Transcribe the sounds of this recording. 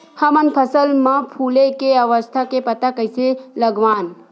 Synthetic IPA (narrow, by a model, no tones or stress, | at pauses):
hɐmənpʰəsəlmãpʰuːlekeəʋəst̪ʰakepɐt̪akəjseləɡʋaːn